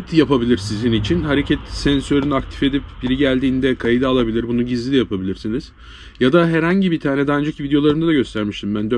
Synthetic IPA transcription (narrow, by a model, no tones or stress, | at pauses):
t̪japabilʲiɾsizinit͡ʃʰinɦaɾecʰɛt̪sɛnsø̞ɾynyakt̪ʰi̥fe̞d̪ipbiɾiɟælʲd̪iːnd̪ɛkʰajid̪ɯalˠabilʲiɾbunuɟizlʲijapabilʲiɾsiniz̥ | jad̪aɦɛɾhaɲɟibit̪ʰaːnɛd̪ɛand͡ʒacvid̪ejo̞lˠaɾɯmd̪ad̪aɟø̞st̪ʰæɾmiʃt̪ʰimbænd̪ø